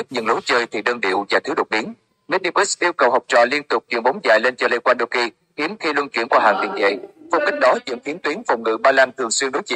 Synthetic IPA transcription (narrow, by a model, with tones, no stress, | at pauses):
k̚ɲə̰˧˩ŋlo˨˦jt͡ɕəː˧jt̪ʰi˨˩ɗəː˧nɗḭ˧˨əwzaː˨˩t̪ɨ˨˦ɗo˨˩t̚ɓi˨˦ən | mi˧˥ni˧pe˦˥sʔi˧wkə˨˩whɔ˨˩wp̚t͡ɕɔ̰˧˨li˧ənt̪ʊ˨˩k͡p̚t͡ɕḭ˧˨əŋɓo˨˦ŋ͡mza̰ː˧˨jle˧nt͡ɕɔ˧li˧kwaː˧nɗo˧wki˧ | xi˨˦əmxi˧lwə˧nkḭ˧˩əmkwaː˧ɦa̰ː˧˨ŋt̪ḭ˨˧˩ŋt͡ɕə̰˧˨jfə˧wŋ͡mkï˦˥k̟̚ɗɔ˨˦zɨ̰˧˨ŋfi˨˦ənt̪wi˨˦ənfə˨˩wŋ͡mŋɨ̰˧˥ɓaː˧laː˧nt̪ʰɨ˨˩əŋswi˧əŋɗo˨˦jt͡ɕḭ˧˨